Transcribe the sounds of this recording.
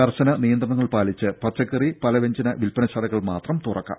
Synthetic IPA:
ɐrɕɐnɐnijɐnd̪rɐɳɐŋːɐɭpaːlit͡ɕːɨpɐt̪t͡ɕɐkːɐripɐlɐʋeɲd͡ʑɐnɐʋilpɐnɐɕɐlɐɣɐɭmaːt̪rɐmt̪urɐkːa̰

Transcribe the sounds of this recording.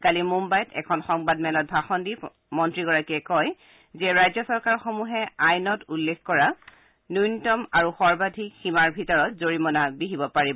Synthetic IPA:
kalimumbajɔtʰɛ̰kʰɔnxɔŋbadmɛlɔt̚bʱaxɔndi | mɔntɹiɡɔɹakiɛkɔj | zɛɹajzɔsɔɹkaɹxomuɦɛajnɔtulːekkɔɹa | nujnitɔmaɹuxɔɹbadʱikximaɹbʱitɔɹɔtzoɹimɔnabiɦibɔpaɹibɔ

